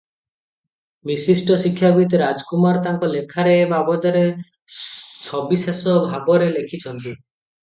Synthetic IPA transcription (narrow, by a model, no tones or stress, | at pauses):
misisʈɔsikʰːjabit̪ɾad͡ʒɔkumaɾɔt̪aŋkɔlekʰaɾebabɔd̪ɔɾe | sɔbisesɔbʱabɔɾelekʰit͡ʃʰɔnt̪i